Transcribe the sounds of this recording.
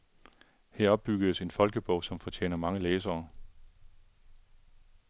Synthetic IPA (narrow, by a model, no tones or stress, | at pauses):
hæɐ̰ɒ̽b̥b̥yɡ̥əðˠse̝nfɒ̽lɡ̥əb̥ɔʊ̰sɒ̽mfɒt͡ɕʰḛːnɐmɑ̈ŋəleːs̬ɐː